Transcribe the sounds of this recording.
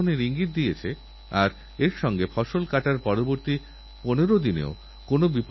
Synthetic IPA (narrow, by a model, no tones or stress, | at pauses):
oneɾiŋɡit̪̚d̪ijet͡ɕʰe | aɾ | eɾʃɔŋɡefʰɔʃolkaʈaɾpɔɾoboɾt̪i | poneɾod̪inḛo | konobip